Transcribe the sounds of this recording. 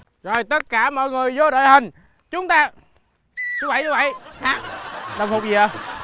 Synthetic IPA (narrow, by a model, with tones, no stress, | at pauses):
zo˨˩jt̪ə˦˥t̚kaː˧˩mɔ̰˧˨jŋɨ˨˩əjzo˨˦ɗo̰ː˧˨jhï˨˩ŋ̟ | t͡ɕʊ˨˦ŋ͡mt̪aː˧ | ɲɨ˧˦˥və̰˧˨jɲə˧˦və̰˧˨j | ɗə˨˩wŋ͡mhʊ˨˩k͡p̚zi˨˩ə˨˩